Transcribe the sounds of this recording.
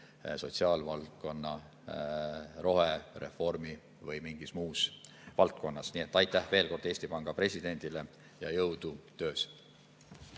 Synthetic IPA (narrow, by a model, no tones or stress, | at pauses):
so̞t̪siɑːlvɑlt̪̚ko̞nːɑ | ro̞ɦere̞̰fo̞rmi | vɤjmiŋɡ̥ismuːs | vɑlt̪̚ko̞nːɑsniːe̞t̪ːˑɑjt̪ːˑæhve̞ːlko̞rd̪̥e̞ːsʲt̪ipɑŋɡ̥ɑpre̞sʲid̪̥e̞nʲd̪̥ile | jɑjɤwd̪ut̪ø̞ːs